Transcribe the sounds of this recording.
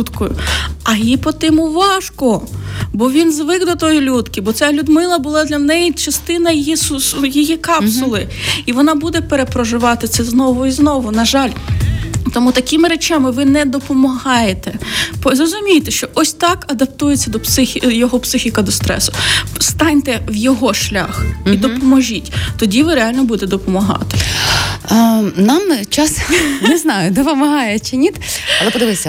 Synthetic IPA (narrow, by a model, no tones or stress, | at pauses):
ut̪kɔjʊɐjipɔt̪ɪmʊʋɑʃkɔbɔʋʲinzʋɪɡd̪ɔt̪ɔjilʲut̪kʲɪbɔt̪sʲalʲud̪mɪlˠɐbʊlˠɑd̪lʲɐnɛjit͡ʃɐst̪ɪnɐjijisjijikɑpsʊlˠɪ | iʋɔnɑbud̪ɛpeɾepɾɔʒɪʋɑt̪ɪt̪sɛznɔʋʊiznɔʋʊnɐʒɑlʲ | t̪ɔmut̪ɐkʲimɪɾet͡ʃamɪʋɪnɛd̪ɔpɔmɐɦɑjet̪ɛpɔzɾɔzʊmʲijt̪ɛʃt͡ʃɔʔɔsʲt̪ɑkɐd̪ɐp̚t̪ujet͡sʲːɐd̪ɔpsɪxʲjɔɦɔpsɪxʲikɐd̪ɔst̪ɾɛ̰sʊst̪ɑnʲt̪ɛwjɔɦɔʃlʲa̰xid̪ɔpɔmɔʒʲitʲt̪ɔdʲiʋɪɾeɑlʲnɔbud̪et̪d̪ɔpɔmɐɦɑ̰t̪ɪ̥ | nɑmt͡ʃɑsnɛznɑjʊd̪ɔpɔmɐɦɑjɛt͡ʃɪnʲit̪ɐlˠɛpɔd̪ɪʋɪsʲɐ